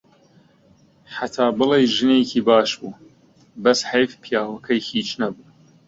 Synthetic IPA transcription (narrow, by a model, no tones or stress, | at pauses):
ħat̪ʰaːbɨlejʒɨnekʰiːbaːʃbuː | bɐsħajfpʰijaːwɐkʰɐjhiːt͡ʃnɐbuː